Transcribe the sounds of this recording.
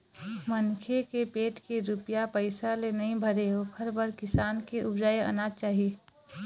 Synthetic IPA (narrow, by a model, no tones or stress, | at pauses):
mɐnkʰekepeːʈkeɾʊpjapəɪsalenɐɦĩbʱɐɾeɦokʰɐɾbəɾkɪsaːnkeʔʊbd͡ʒaːeɐ̰naːt͡ʃaːɦie